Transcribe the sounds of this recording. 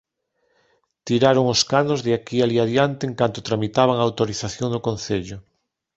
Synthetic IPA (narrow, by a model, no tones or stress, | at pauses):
t̪iɾaɾoŋʊskanozðɪakialiaðjant̪eːŋkant̪ot̪ɾamit̪aβ̞aŋaːwt̪oɾiθaθjoŋd̪okonθeʎʊ